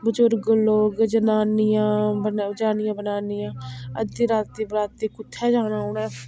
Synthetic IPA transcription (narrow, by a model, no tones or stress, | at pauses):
bəd͡ʒʊɾɡloːɡd͡ʒənaːnɪjãːbənd͡ʒaːnɪjãːbənaːnɪjãːə̰d̪iːɾaːt̪ːiːbɾaːt̪ːiːkʊt̪ʰːɛːd͡ʒaːnãːʊːnɛː